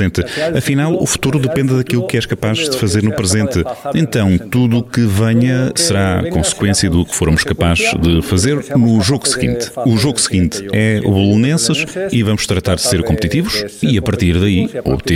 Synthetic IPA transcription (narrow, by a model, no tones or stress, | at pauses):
ẽnt̪ɐfinalˠṵfu̥t̪uɾuðɨpẽnd̪ɨðɐkilˠukɛʃkɐpaʒðɨfɐzeɾnupɾɨzẽnt̪ɨẽnt̪ɐ̃w̃t̪uðuːkɨvɐɲɐsɨɾa̰kõsɨ̥kwẽsjɐðukɨ̥foɾmuʃkɐpaʒðɨfɐzeɾnuʒoɣusɨɣḭ̃nt̪uʒoɣusɨɣĩnt̪ɨɛṵβulˠunẽsɨʃivɐmʊʃt̪ɾɐt̪aɾðɨseɾkõmp̚t̪it̪ivuʃiɐpɐɾt̪iɾðɐio̰βt̪e